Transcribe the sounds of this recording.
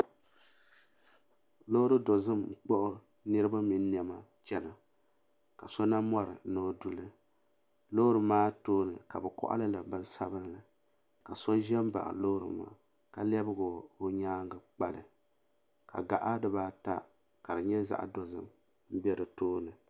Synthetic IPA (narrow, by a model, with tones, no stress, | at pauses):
lo˦hɾɨ˦do˨zɨ˦mŋ͡m̩˨k͡pɔ˦ʔʊ˦ | nɨ˦ɾɨ˦ba˦mi˨n˦n˨ɛ˨ma˦t͡ʃɛ˦na˨ | ka˨sɔ˦na˦mɔ˦ɾɨ̰˨˦no˦˨du˨lɨ˦ | lo˦ɾɨ˨maː˦toː˦nɨ˨ka˨bɛ˨kɔ̰˦ʔa̰˦lɨ˦la˨bɨ˦n˦sa˦bɨ˦nlɨ˨ | ka˨sɔ˦ʒɛ˦m˦ba̰˨ʔlo˦hɾɨ̰˨ma̰ː˦˨ | ka˨lɛ˦bɨ˦ɡo˨o˦ɲaː˦ŋɡɨ˨k͡pa˦lɨ˨ | ka̰˨ɡa̰˨ʔa˦dɨ˦baː˦ta̰˦ | ka˨dɨ˨ɲɛ˦za̰˦ʔa̰˨do˨zɨ̰˦m | m̩˦bɛ˦dɨ˨toː˦nɨ˨